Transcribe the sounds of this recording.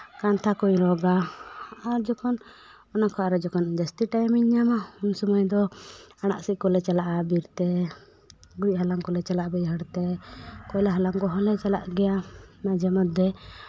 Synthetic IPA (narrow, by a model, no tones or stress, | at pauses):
kant̪ʰakuɲɾɔɡa | aɾd͡ʒɔkʰɔn | ɔnakʰɔaɾɛd͡ʒɔkɔnd͡ʒəst̪iʈajmiɲːamaunsɔmɔjd̪ɔaɽ̃a̰ʔsiʔkɔlɛt͡ʃalaʔabiɾt̪ɛ | ɡuc̚ɦalaŋkɔlɛt͡ʃalaʔbɛjɦəɽt̪ɛkɔjlaɦalaŋkɔɦɔlɛt͡ʃalaʔɡɛjamad͡ʒɛmɔt̪̚d̪ɛ